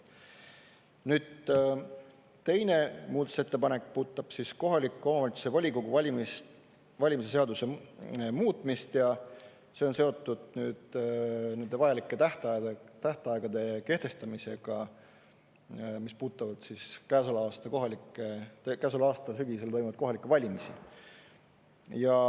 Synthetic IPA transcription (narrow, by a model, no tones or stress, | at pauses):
nyːd̪̥ | t̪e̞jne̞muːt̪ːˑu̥se̞t̪ːe̞pɑne̞kːpuːt̪ːˑɑb̥sisko̞ɦɑlikːˑeo̞mɑvɑt̪su̥sevɑlʲikoɡuvɑlʲimist | vɑlʲimise̞se̞ɑd̪use̞muːt̪ˑmist̪jɑ | se̞o̞nse̞o̞t̪ːˑud̪̥nyːd̪̥ne̞nd̪e̞vɑjɑlikːˑet̪æht̪ɑet̪æht̪ɑɑˑeɡ̥ɑd̪e̞ke̞ht̪e̞st̪ɑmise̞ɡ̥ɑ | mispuːt̪ːˑɑvɑd̪̥siskæːsolɑːst̪ɑko̞ɦɑlikːˑet̪ekæs̬olɑɑːst̪ɑsyɡ̥ise̞lt̪o̞jmuvɑd̪ko̞ɦɑlikːˑevɑlʲimisḭ | jɑ